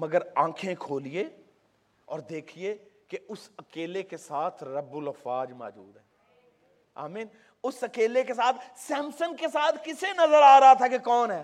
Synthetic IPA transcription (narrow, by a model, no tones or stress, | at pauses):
mɐɡəɾãːkʰẽkʰoːlie | ɔːɾd̪eːkʰiekeʊsəkeːlekesaːt̪ʰɾɐbːʊləfaːd͡ʒma̰ːd͡ʒṵːd̪ɦɛː | a̰ːmiːn | ʊsɐkeːlekesaːt̪ʰsɛ̃ːmsənkesaːt̪ʰkɪsenɐzəɾaːɾɐɦat̪ʰakekɔːnɦɛː